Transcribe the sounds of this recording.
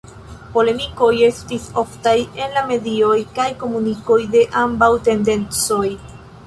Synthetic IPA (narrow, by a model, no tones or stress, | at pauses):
po̞le̞miko̞je̞stiso̞ftaje̞nlame̞dio̞jkajko̞muniko̞jde̞ʔambawte̞nde̞nt͡so̞j